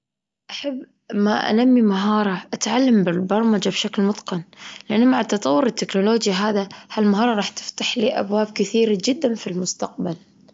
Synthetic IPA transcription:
ʔaħabː | maʔa̰lamːimaɦɑːɾˤɑʔat̪ʕalːambɪlbɑɾˤmad͡ʒabʃaklmʊt̪ˤqɑnlɪʔanːmaʕat̪ːɑt̪ˤɑwːʊɾɪt̪ːɪknʊloːd͡ʒjaɦaːðahalmaɦɑːɾˤɑɾˤɑːħt̪ɪ̥ft̪aħliːʔa̰bwaːb̚kɪθiːɾad͡ʒɪd̪ːanfilmʊst̪aq̚bal

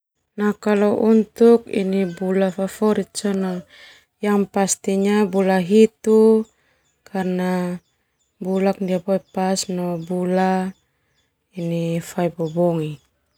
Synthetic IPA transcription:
nakalɔʔunt̪ukḭnibulafafɔɾit̪̚sɔnaŋ | jaŋpast̪iɲabulaɦit̪u | kʰarna | bulak̚ndiapɔjpasnɔbula | inifajbɔbɔŋi

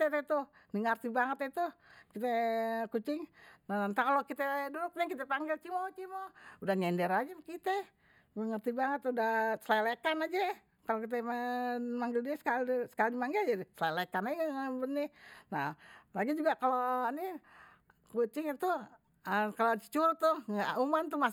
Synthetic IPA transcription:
ɛt̪ɛt̪u | niŋərt̪ibaŋət̪it̪ukit̪ɛkut͡ʃɪŋnaant̪akalokit̪ɛdudʊk̚nɛkit̪ɛpaŋɡɪlt͡ʃimot͡ʃimoudahɲɛndɛɾad͡ʒɛmkit̪ɛ | ɡəŋərt̪ibaŋət̪udahsəlalekanad͡ʒɛ | kalokit̪̬ɛmmaŋɡɪldiɛsə̥kalsə̥kalimaŋɡɪld͡ʒadisəlalekanad͡ʒɛabəninalaɡid͡ʒuɡakaloni | kut͡ʃɪŋit̪u | əkalot͡ʃə̥t͡ʃuɾt̪uŋa̰umant̪uma

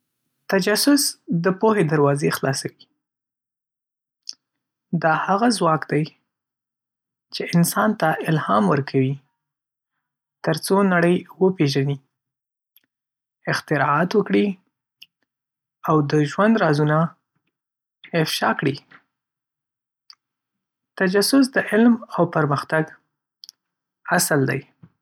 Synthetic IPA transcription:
t̪ad͡ʒasʊsd̪əpoɦed̪aɾwɑzexlɑsawi | d̪ɑhaɣazwɑkd̪aj | t͡ʃeʔɪnsɑnt̪aʔɪlhɑmwəɾkʰawi | t̪əɾt͡sonaɽəjwəpeʒani | ɪxt̪ɪɾɑɑt̪wəkɽi | awd̪əʒwand̪ɾɑzuna | ɪfʃɑkɽi | t̪ad͡ʒasʊs̬d̪əʔɪlmawpəɾməxt̪aɡ | asld̪a̰j

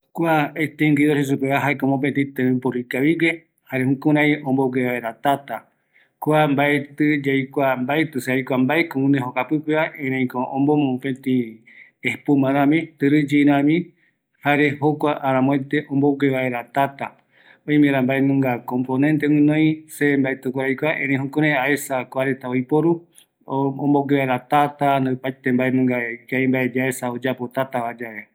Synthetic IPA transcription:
kʷaet̪eŋɡiðoses̬upeaɦaekomop̬ent̪ĩt̪ɨɾipoɾikaβiɡe | haɾehũkũɾãjõmboɡeβaeɾat̪at̪a | kʷambaet̪ɨd͡ʒajkʷambaet̪ɨseajkʷambaekõũneɦokapɨpeaʔẽɾẽj̃kõʔõmbomõpẽt̪ĩ | ehpumãɾãmĩt̪ɨɾɨd͡ʒiɾãmĩ | haɾe̞hokʷaʔːɾãmõẽt̪eʔõmboɡweβaeɾat̪at̪a | õj̃meɾambaenɨ̃ŋɡakõmponẽnt̪eɨ̃nõj̃sembaet̪ukaɾajkʷaʔẽɾ̃ẽj̃ɦũkoɾeaesakʷaɾe̞t̪aojpoɾu | õmboɡʷeβaeɾat̪at̪and̪opajt̪embaenɨ̃ŋɡakaembaed͡ʒaesaod͡ʒapo̞t̪at̪aβad͡ʒae

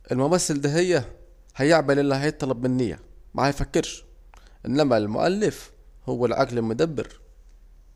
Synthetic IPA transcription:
ʔelmʊmæsːeld̪æɦejːæ | hæjeʕbælʔelːihæjet̪ˤːɑlɑb̚menːejːæ̰mʔæ̰hæjfækːeɾʃ | ʔenːæmælmʊ̰ʔæ̰lːef | howːælʕaɡlelmod̪æbːḛɾ

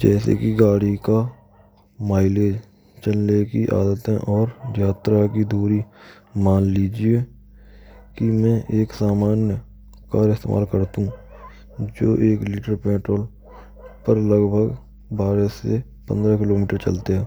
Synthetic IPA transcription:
d͡ʒɛːsḛkiɡaːɽika | maːɪleːd͡ʒ | t͡ʃənlekiʔa̰ːd̪ət̪ẽʔɔːɾjaːt̪ɾakid̪uːɾi | maːnliːd͡ʒie | kimɛ̃ʔeːksaːmaːnjə | kaːɾɪst̪ḛːma̰ːlkəɾt̪ũ | d͡ʒo̰ːʔeːkliːʈəɾpeːʈɾoːl | pəɾləɡbʱəɡ | baːɾese | pə̰̃nd̪ɾakɪloːmiːʈəɾt͡ʃə̰lt̪eɦɛː

